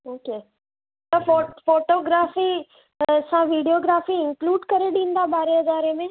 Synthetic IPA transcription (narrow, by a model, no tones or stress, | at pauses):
oːkeː | t̪ɐfofoːʈoːɡɾaːfi | sãʋiːɖijoːɡɾaːfiɪ̃ŋkluːɖkɐɾeɗĩːnd̪abaːɾeɐd̪aːɾemẽ